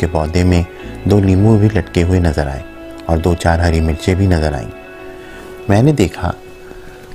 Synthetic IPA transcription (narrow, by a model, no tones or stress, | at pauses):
kebɔːd̪emẽ | d̪oːniːmuɾbʱilɐʈkeɦʊenɐzəɾa̰ːeː | ɔːɾd̪oːt͡ʃaːɾɦɐɾimɪlt͡ʃebʱinɐzəɾa̰ːḭ̃ː | mɛ̃ːned̪eːkʰa̰